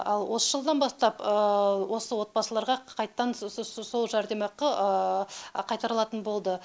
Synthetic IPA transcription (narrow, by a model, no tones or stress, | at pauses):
ɑlˠwo̞səʒəlˠd̪ɑnbɑst̪ɑpəwo̞səwo̞t̪̚bɑsəlˠɑɾʁɑqʰɑjt̪ːɑnso̞lˠʒɑɾd̪e̞mɑqəə | qʰɑjt̪ɑɾəlˠɑt̪ənbo̞lˠd̪ə